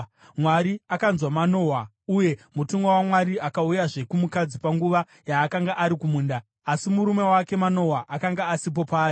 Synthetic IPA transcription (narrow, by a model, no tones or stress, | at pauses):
mwaɾiakanzwamano̞ːɦwa | uje̞mutuŋɡawamwaɾiakaujaʐe̞kumukad͡zipaŋɡuʋa | jaːkaŋɡaʔaɾikumuːndaː | simuɾume̞wake̞mano̞ɦwaʔakaŋɡaːsip̬o̞paːji